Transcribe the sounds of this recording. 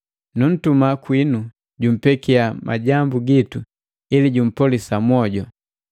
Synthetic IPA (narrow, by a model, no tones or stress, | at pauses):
nun̩tumakwinu | ɟum̩pɛkiamʔa̰ɟambuɡitu | iliɟum̩pɔlisamwɔɟɔ